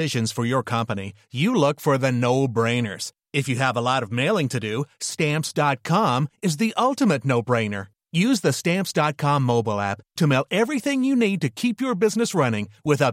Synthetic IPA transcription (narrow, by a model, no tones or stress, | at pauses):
ɪʒɨ̃nz̥fə˞jə˞kʰʌ̃mpəni | jɨlʊkfə˞ðɨnoʊbɹẽɪ̃nə̰˞z̥ | ɨfjɨəvəlɔɾʌvmeɪlˠɪ̃ŋtʰɨdɨstæ̃mpsd̥ɑt̚kʰɑ̃mɨzðiʔʌlˠtɨmɨtⁿnoʊbɹẽɪ̃nə̰˞ | jʉzðɨstæ̃mpsd̥ɑt̚kʰɑ̃mːoʊbl̩ˠæ̰ptʰɨmeɪlˠɛvɹiθɪ̃ŋjɨnid̚tɨkʰipjə˞bɪznɨsɹʌnɪ̃ŋwɪθaʊ